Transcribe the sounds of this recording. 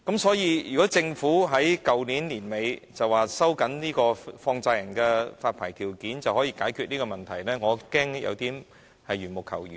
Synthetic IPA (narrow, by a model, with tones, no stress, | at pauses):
kɐ˨˥msɔː˨˥jiː˧jyː˨kɔː˨˥t͡sɪ˧ŋfuː˨˥ɦɐ˨˥jkɐ˨wniː˨˥nliː˨˩nme˨˧jt͡sɐ˨waː˨sɐ˥wkɐ˨˥nniː˥kɔː˧fɔː˧ŋt͡saː˧jɐ˨˩ŋkɛː˧faː˧t̚pʰaː˨˩jt̪ʰiː˨˩wkiː˨˥nt͡sɐ˨whɔː˨˥jiː˧kaː˨˥jkʰyː˨˧t̚niː˥kɔ˧mɐ˨˩nt̪ʰɐ˨˩jlɛː˥ŋɔː˨˧kɛː˥ŋjʔɐ̰˨˧wt̪iː˥m | hɐ˨jyː˨˩nmʊ˨˩kʰːɐ˨˩wjyː˨